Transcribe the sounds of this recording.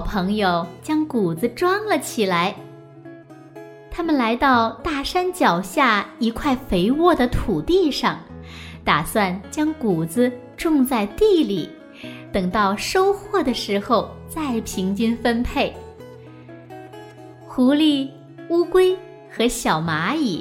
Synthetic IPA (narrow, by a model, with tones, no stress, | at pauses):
ɑ˨˩ʊpʰɤ˧˥ŋjo˨˧ʊt͡ɕjɑ˥ŋku˨˩d͡z̩˧˥ʈ͡ʂwɑ˥ŋlə˨t͡ɕʰi˨˩la˧˥ɪ | t̪ʰa˥mə˨nla˧˥ɪt̪ɑ˥˧ʊt̪a˥˩ʂa˥nt͡ɕjɑ˨˩ʊɕja˥˩i˧˥kʰwa˥˩ɪfe˧˥ɪwɔ˥˩d̪ə˩t̪ʰu˨˩t̪i˥˧ʂɑ˥˩ŋt̪a˨˩swa˥˩nt͡ɕjɑ˥ŋku˨˩t͡sɹ̩˧˦ | ʈ͡ʂʊ˥˧ŋt͡sa˥˧ɪt̪i˥˩li˨˩˦ | t̪ɤ˨˩ŋt̪ɑ˥˩ʊʂo˥ʊxwɔ˥˩d̪ə˩ʂɻ̩˧˥xo˥˧ʊt͡sa˥˩ɪpʰi˧˥ŋt͡ɕy˥nfə˥npʰe˥˩ɪ | xu˧˥li˥˩ | u˥kwe˥ɪ | xɤ˧˥ɕjɑ˨˩ʊma˧˥i˨˩˦